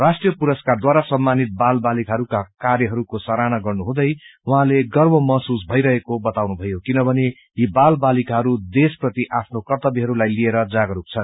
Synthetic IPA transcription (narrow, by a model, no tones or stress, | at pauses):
rasʈjʌpuɾʌskard̪waɾasʌmːanit̪̚balbalikaɦʌɾukakarjʌɦʌɾukosʌɾanaɡʌrnuɦũd̪ʌjwʌɦãleɡʌrbʌmʌɦsusbʱʌjɾʌɦekobʌt̪awnubʱʌjokinʌbʱʌne | jibalbalikaɦʌɾud̪esprʌt̪iʔapʰnokʌrt̪ʌbiɦʌɾulajlieɾʌd͡zaɡʌɾuk̚t͡sʰʌn